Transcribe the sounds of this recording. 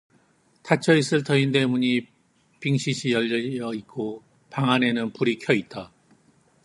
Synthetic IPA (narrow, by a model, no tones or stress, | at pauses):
tʰat͡ɕʰʌis͈ɯɭtʰʌinde̞muɲi | piŋɕʰiɕʰijʌʎːʌjʌit̚k͈o | paŋane̞nɯnpuɾikʰjʌit̚t͈a